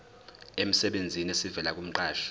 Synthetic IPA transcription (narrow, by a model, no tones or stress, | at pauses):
em̩sɛɓend͡zʱinesivɛlak̬ʼum̩ǃaːʃɔ̥